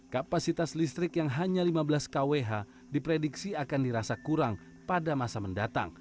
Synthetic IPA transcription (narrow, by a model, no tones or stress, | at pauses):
kapasit̪aslist̪ɾɪkjaŋɦaɲalimabəlaskaweɦa | dipɾediksiakandiɾasakuɾaŋ | padamasaməndat̪a̰ŋ